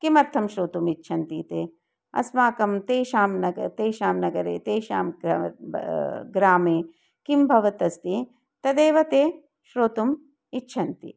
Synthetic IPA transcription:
kimɐɾt̪ʰɐmʃɾoːt̪umitːʃʰɐnt̪iːt̪eː | ɐ̰smaːkɐmt̪eːʃaːmnɐɡɐt̪eːʃaːmnɐɡɐɾḛːt̪eːʃaːm | ɡɾaːmeː | kimbʱɐʋɐt̪ɐst̪i | t̪ɐd̪eːʋɐt̪eː | ʃɾoːt̪um | itːʃʰɐnt̪ḭ

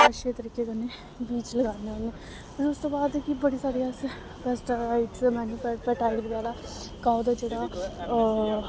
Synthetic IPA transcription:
əʃet̪əɾiːkekəne | biːt͡ʃləɡaːneəne | pɪɾʊst̪oːbaːd̪kibəɽisaːɾijas | bɛsʈːaɪʈsmɛ̃ːnũːpɛpɛːʈʰaːlibəɡaːlaː | kaːod̪ad͡ʒeːɽaː

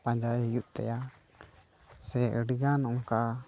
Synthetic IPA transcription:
pãɲd͡ʒajhijuʔt̪ɛ̰ja | sɛəɖiɡanɔŋka

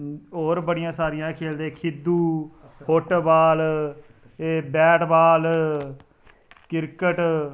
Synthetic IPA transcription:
oːɾbəɽɪjãːsaːɾɪjãːkʰeːld̪ẽːkʰɪd̪ːuː | hoʈbaːl | eːbɛːʈbaːl | kɪɾkəʈ

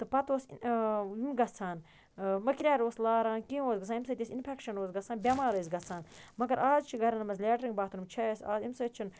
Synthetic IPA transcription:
t̪ɨpɐt̪oːs | imɡɐt͡sʰaːn | mɐkɾʲaːɾoːslaːɾaːnkĩoːzɡɐt͡sʰaːnimsɐt̪ʲisinpʰɛkʃɐnoːzɡɐt͡sʰaːnbʲɐmaːɾɐs̬ɡɐt͡sʰaːnmɐɡɐɾaːzt͡ʃʰiɡɐɾɐnɐmɐzlʲɛːʈɾiŋɡbaːt̪unumt͡ʃʰɐsaːzimsɐt͡ʃʰun

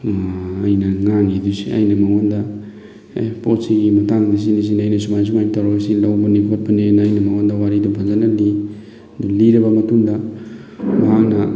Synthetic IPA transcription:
ajnɐŋaŋidusia̰jnɐmaŋondɐ | pot̚siɡimɐtaŋdis̬inis̬inajnɐsumajs̬umajtaɾasilawbɐnikʰot̚pɐnenːjnɐmaŋondɐwaɾidupʰazanɐli | duliɾɐbɐmɐtuŋdɐ | maɦaknɐ

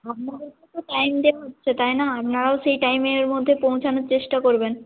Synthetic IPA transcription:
ap̚nad̪eɾket̪oʈajmd̪eaɦotːɕʰet̪ajnaapnaɾaoʃejʈajmeɾmod̪ʱːepow̃t͡ɕʰanoɾt͡ɕeʃʈakoɾben

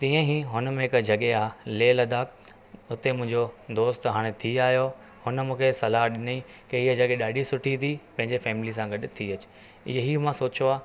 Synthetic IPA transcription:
t̪ĩːə̃ɦiɦʊnəmẽɦɪkd͡ʑɐɠeaːleːlɐd̪aːk | ʊt̪emʊ̃ɦɪ̃ɲd͡ʑod̪oːst̪ɦaːɽ̃et̪ʰiaːjo | hʊnəmũːkʰesɐlaɦɗɪni | keɪɦəd͡ʑɐɠeɗaːɖʱisʊʈʰit̪ʰipɐ̃ɦɪ̃ɲd͡ʑefɛːmɪlis̬ãɡɐɗʊ̆t̪ʰiɐt͡ɕɪ̥ | ɪ̰ɦəɦimãsoːt͡ɕoaː

